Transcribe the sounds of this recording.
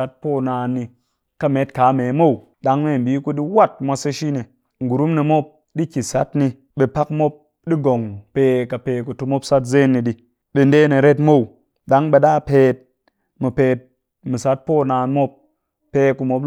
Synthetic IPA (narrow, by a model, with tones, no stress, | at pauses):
a˦t̚po˦˨naː˧nːi˧ | ka˦me˨˦tka˨˦me˨˦mo˦˨w | ɗa˨˦ŋme˦˨m̩˨bi˨˦ku˦ɗi˦wa˦˨t̚mʷa˧se˦ʃi˦ne˨ | ŋ̩˨ɡu˨ɾu˦mne˧mo˦p̚ | ɗi˦kʲi˨sa̰˦tni˧ | ɓe˧pa˦kmo˦p̚ | ɗi˦ɡo˨ŋpe˨˧ka˨peː˨˧ku˨tu˧mo˦psa˦t̬ze˦nːi˧ɗi˧ | ɓe˨nde˦ne˨ɾe˦tmo˦˨w | ɗa˨˦ŋɓe˧ɗa˦˨peː˧t̚ | mu˨pe˨t̚ | mi˨sa˦t̚po˦˨naː˨˧nmo˦p | pːeː˧˦ku˧mo˧p̚